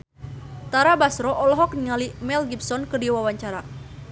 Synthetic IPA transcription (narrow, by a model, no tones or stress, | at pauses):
t̪aɾabasɾɔʔɔlɔɦɔk̚niŋalimɛlɡipsɔnkədiwawaɲt͡ʃaɾa